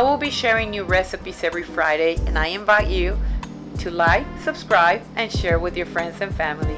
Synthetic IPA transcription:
ɪwɪlˠbiʃɛɹɪ̃ŋnjɨɹɛsɨpisɛvɹifɹaɪɾeɪɨ̰̃naɪɨ̃ɱvaɪt͡ʃɨ | ɾʰɨlaɪksɨb̥skɹaɪbɨ̃nʃɛɹwɪðjə˞fɹɛ̃ndzɨ̃nfæ̃ml̩ˠi

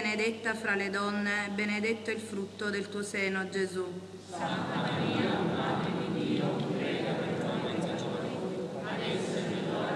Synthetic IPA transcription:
ned̪et̪ːafɾaled̪ɔnːebened̪et̪ːoilfɾut̪ːod̪elt̪uːoseːnod͡ʒezu | sant̪amaɾiːamad̪ɾed̪id̪iːokɾɛːɡapeɾt̪onea | aɛs

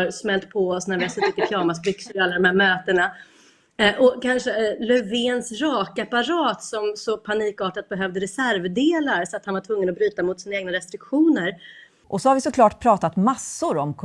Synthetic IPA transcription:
ɾsmɛlt̪pʰɔɔsnæɾvɪasɔt̪ɪk̪ːəkʰjɑːmasbʏksəlɪalːad̪ɔmhæɾmøːt̪əna | ʔɔkʰanʂəlœveːnsɾɑːkapaɾɑːt̪sɔmsɔpʰaniːkɑːʈat̪̚bɛɦœvd̪əɾɛsæɾvd̪eːlaɾsɔat̪hanvaʈʰvɵŋːənɔbɾyːt̪amʊt̪sɪnaeːɡ̚naɾɛst̪ɾɪkɧuːnəɾ | ʔɔsɔhaɾvɪsɔkʰlɑːʈpʰɾɑːt̪at̪masːʊɾɔmkʰ

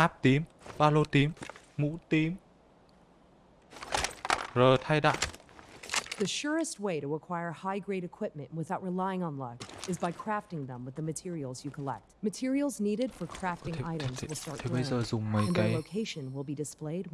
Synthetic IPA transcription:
ʔaːp̚t̪im | ɓaːlot̪imː | ṵt̪im | zəːt̪ʰajɗa̰ːw | ðɨʃʊɹɨst̚weɪɾəəkʰw̥aɪə˞haɪɡɹeɪɾɨkʰw̥ɪp̚mɨ̰̃nʔwɨθaʊt̚ɹɨlaɪɪ̃ŋə̃nlʌkɨzbaɪkʰɹ̥æftɪ̃ŋðə̃mwəðəmɨtʰɪɹil̩ˠzjɨkʰəlɛ̰k̚t̚mɨtʰɪɹil̩ˠzniɾɨd̥fə˞kʰɹ̥æftɪ̃ŋaɪɾəmzwəlˠstɑɹt̪̚ʰəjzəːzʊŋ͡mməj̃nkəloʊkʰeɪʃɨ̃nwɪlˠbidɨspleɪd̚

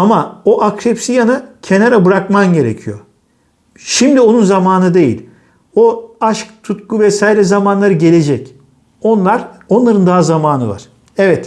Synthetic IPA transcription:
amaoʔakɾepsijanɯcʰe̞naɾabɯɾakmamɟe̞ɾḛcʰijo̞̰ | ʃimd̪io̞nunzamaːnɯd̪e̞jḭlʲ | oaʃkt̪ʰut̪kuvɛsaːjɾɛzamanlˠaɾɯɟe̞lʲe̞d͡ʒɛc | o̞nlˠaɾo̞nlˠaɾɯnd̪aɦazamaːnɯva̰ɾ̥ | ɛvɛt̪

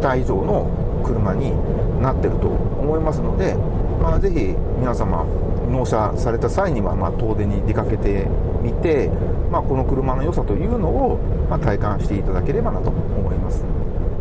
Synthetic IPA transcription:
t̪aiʑo̞ːno̞ | kɯ̟ɾɯ̟maɲ̟i | nat̪ːe̞ɾɯ̟t̪o̞̰ːmo̞imasɨno̞d̪e̞maze̞çimʲinasama̰ | no̞ːɕa | saɾe̞t̪asaiɲ̟iβamaːt̪o̞ːze̞ɲ̟ːid̪e̞kake̞t̪e̞ | mʲit̪e̞ | mako̞no̞kɯ̟ɾɯ̟mano̞jo̞sat̪o̞jɯ̟ːno̞ː | mat̪aikãɕi̥t̪e̞it̪ad̪ake̞ɾe̞banat̪o̞ːmo̞imasɨ̥

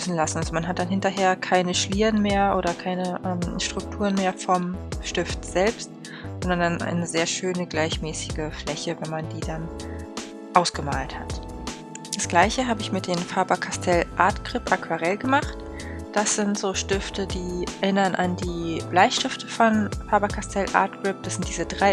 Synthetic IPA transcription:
sn̩lasn̩ʔalzomanɦat̚d̥anɦɪntɐɦeːɐkʰaɪnəʃliːʁənmeːɐʔoːɾɐkʰaɪnəʔɛːmʃtʁ̥ʊk̚tʰuːʁənmeːɐfɔmʃtɪftz̥ɛlpst | zɔndɐndanʔa̰ɪnəzeːɐʃøːnəɡlaɪçmɛːsɪɡəflɛçəvɛnmandiːdan | ʔaʊsɡ̥əmaːlthat | d̥asɡ̥laɪçəɦaːbəɪçmɪt̚d̥eːmfaɐbɐkʰastʰɛlʔaːɐtɡ̥ʁ̥ɪpʔakv̥aʁɛlɡəmaχt | d̥asz̥ɪntz̥oːʃtɪftədiːɛɐʔɪnɐnʔa̰ndiːb̥laɪçʃtɪftəfɔnfaɐbɐkʰastʰɛlʔa̰ːɐtɡ̥ʁɪp̚d̥asz̥ɪntd̥iːzədʁaɪ

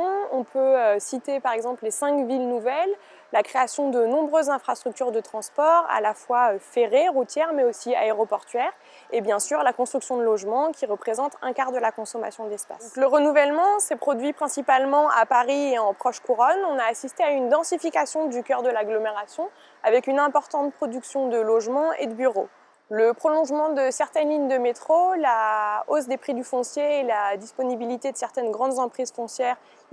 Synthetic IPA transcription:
ɔ̃ɔ̃pøøsit̪epaʁɛɡzɑ̃pllesɛ̃kvilnuvɛlː | akχeasjɔ̃d̪ənɔ̃bʁøzːɛ̃fχast̪χyk̚t̪yʁd̪ət̪χɑ̃spɔʁa̰lafwaøfeʁeʁut̪jɛʁmɛosia̰eʁopɔʁt̪ɥɛʁ | ebjɛ̃syʁlakɔ̃st̪χyksjɔ̃d̪əlɔʒmɑ̃kʲiʁəpχezɑ̃t̪ɛ̃kaʁd̪əlakɔ̃sɔma̰sjɔ̃d̪ɛspa̰ləʁənuvɛlmɑ̃sɛpχɔd̪ɥipχɛ̃sipalmɑ̃ʔa̰paʁieɑ̃pχɔʃkuʁɔnɔ̃naːsist̪eaynd̪ɑ̃sifikasjɔ̃d̪ykʲœʁd̪əlaɡlɔmeʁasjɔ̃ | avɛkynɛ̃pɔʁt̪ɑ̃t̪̚pχɔd̪yksjɔ̃d̪əlɔʒmɑ̃ḛd̪əbyʁo̰ | ləpχɔlɔ̃ʒmɑ̃d̪əsɛʁt̪ɛnliɲd̪əmet̪χolaos̬d̪epχid̪yfɔ̃sjeːlad̪ispɔnibilit̪ed̪əsɛʁt̪ɛnɡʁɑ̃d̪zɑ̃pχizfɔ̃sjɛʁ

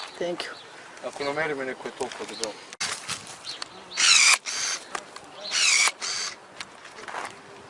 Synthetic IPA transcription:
t̪ɛŋkju | akonamɛɾimonɛkoɛt̪olˠkood̪ɔbal

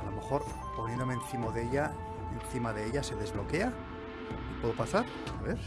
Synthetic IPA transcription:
alo̞me̞xo̞ɾ | ponjẽnd̪omenθimo̞ðeʎa | enθimaðeeʎase̞ðe̞zβlo̞ke̞a | ipwe̞ðo̞pasaɾ | aβeɾ

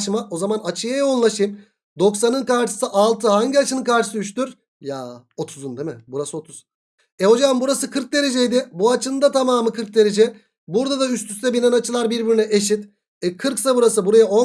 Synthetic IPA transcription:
ʃmao̞zamanat͡ʃʰɯjajao̞nlˠaʃɯjm | d̪o̞ksanɯnkaɾʃɯ̥sɯʔalˠt̪ʰɯhaɲɟiat͡ʃʰɯnɯnkʰaɾʃɯ̥sɯyʃt̪yɾ | jao̞t̪ʰuzund̪emɪ̰buɾasɯo̞t̪ʰuz̥ | ɛho̞d͡ʒamambuɾasɯkʰɯɾk̚d̪e̞ɾe̞d͡ʒejd̪ɪbuat͡ʃʰɯnd̪at̪ʰamaːmɯkʰɯɾk̚d̪e̞ɾe̞d͡ʒɛ | buɾd̪ad̪ayst̪ʰyst̪ʰɛbinanat͡ʃʰɯlˠaɾbiɾbiɾynɛʔeʃit̪ | ɛkʰɯɾksabuɾasɯbuɾajao

